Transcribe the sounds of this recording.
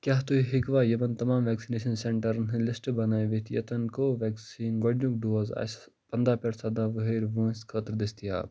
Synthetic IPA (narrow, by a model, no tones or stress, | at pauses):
kʲjaːɦt̪uiɦikʋaːjɐmɐnt̪ɐmaːmʋɛːksineːʃɐnseɳʈɐɾnɦɨ̃lɪsʈbɐnaːʋet̪ʰjɐ̰t̪ɐnkoːʋɛːksiːnɡɔɖjũk̚ɖoːza̰ːs | pɐnd̪aːpʲɐɾsɐd̪ãːʋɨɦeːɾʋə̃ːsʲkʰəːt̪ɾd̪est̪ija̰ːb